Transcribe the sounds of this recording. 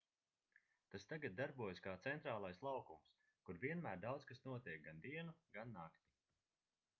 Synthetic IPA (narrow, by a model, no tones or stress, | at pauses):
t̪ast̪aɡat̪̚d̪aɾbuɔjskaːt̪sɛnt̪ɾaːlˠajslˠawkums | kuɾviɛnmæːɾd̪awt̪skasnuɔt̪iɛk̚ɡand̪iɛnuɡanːakt̪i̥